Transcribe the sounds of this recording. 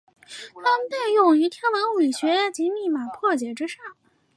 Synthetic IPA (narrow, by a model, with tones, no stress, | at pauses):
t̪ʰa˥mə˧˨nt̪a˥˧ɪjʊ˥˩ŋy˧˥t̪ʰjɛ˥nwɑ˧˥ŋwi˨˩ɕɥɛ˧˥t͡ɕi˧˥mi˥˩ma˨˩pʰwɔ˥˩t͡ɕjɛ˨˩ʈ͡ʂɻ̩˥ʂɑ˥˩ŋ